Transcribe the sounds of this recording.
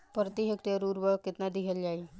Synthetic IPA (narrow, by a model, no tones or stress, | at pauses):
pəɾt̪iɦekʈiəɾuɾʋəkit̪nad̪iɦeljai